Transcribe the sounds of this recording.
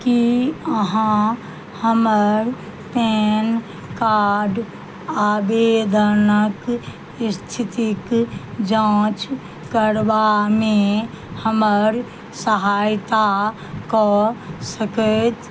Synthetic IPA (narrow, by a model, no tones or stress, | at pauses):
kiəɦã | həməɾ | pɛːn | kaːɾɖ | aːbeːd̪ʱəɾnək | st̪ʰɪt̪ikd͡ʒãːt͡ʃ | kəɾʋamẽ | həməɾ | səɦaːjt̪a | kɔsəkət̪